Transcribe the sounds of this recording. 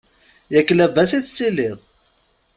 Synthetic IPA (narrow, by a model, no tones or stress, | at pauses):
jækːəlævæsit͡sːt͡sːilːɪðˤ